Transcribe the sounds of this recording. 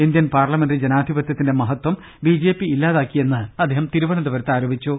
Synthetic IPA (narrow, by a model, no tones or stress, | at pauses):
ind̪jɐnpaːrlɐmendrid͡ʑenaːd̪ʱibɐt̪jɐt̪ːinde̞mɐɦɐt̪ːwɐm | bid͡ʑe̞ːpːiilːaːðaːkːije̞nːɨɐd̪ʱeːɦɐmt̪iɾuʋɐɳɐd̪ɐʋɐɾɐt̪ːaːɾoːbʱit͡ɕːu